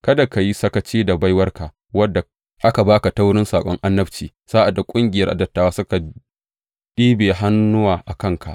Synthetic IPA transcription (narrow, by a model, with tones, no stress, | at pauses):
kɐ˦da˨ka˨ji˦sɐ˦kɐ˦t͡ʃiː˦da˨ba˦jwɐ˦rka˨ | wɐ˦dːa˨ | ʔa˦ka˨baː˦ka˨ta˦wʊ˦ɽɪ˦nsaː˨kʷʼɔ˦ŋʔa˦nːɐ˦ɸt͡ʃiː˨saː˦ʔa˨dːa˨kʷʼʊ˦ŋɡʲɪ˨jɐ˦rʔa̰˨dɐ˨tːaː˨waː˦sʊ˦ka˨ | ɗiː˦beː˨ɦa˦nːʊ˦waː˨ʔa˨kɐ˦˨ŋkʰa˨ʔ